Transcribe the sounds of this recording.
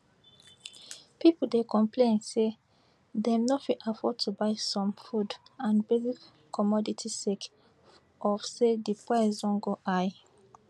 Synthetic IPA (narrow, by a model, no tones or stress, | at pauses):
pipoldekʰɔ̃mpʰlẽnse | dɛ̃mnɔtfiʔafɔd̚tʰubaɪsɔ̃mfudãnbeli | kʰɔmɔditʰisek | ʔɔfsedipwɛzdɔ̃nɡoʔaj